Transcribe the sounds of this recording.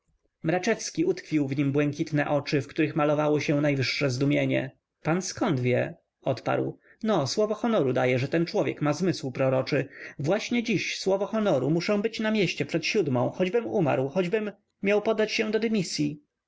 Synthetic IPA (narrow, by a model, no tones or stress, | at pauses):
mɾat͡ʂɛfskʲiut̪kfʲiwvɲimbwɛŋkʲit̪nɛ̰ʔɔt͡ʂɘfkt̪uɾɘxmalɔvawɔɕɛnajvɘʂːɛzd̪umʲjeɲɛ̰ | panskɔnd̪vʲjɛ | ɔt̪pa̰ɾw | nɔswɔvɔxɔnɔɾud̪ajɛʐɛt̪ɛnt͡ʂwɔvʲjɛkmazmɘswpɾɔɾɔt͡ʂɘvwaɕɲɛd͡ʑiɕswɔvɔxɔnɔɾumuʂɛ̃w̃bɘt͡ɕnamʲjeɕt͡ɕɛpʂɛt̪ɕud̪mɔ̰̃w̃xɔd͡ʑbɘmuma̰ɾwxɔd͡ʑbɘmːʲ | jawpɔd̪ːat͡ɕɕɛd̪ɔd̪ɛmʲisʲji